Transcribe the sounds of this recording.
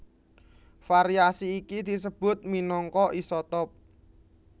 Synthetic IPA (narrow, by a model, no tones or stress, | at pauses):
faɾiasiːkid̪̥i̤səb̥ʊt̪̚minɔŋkɔʔisɔt̪ɔp̚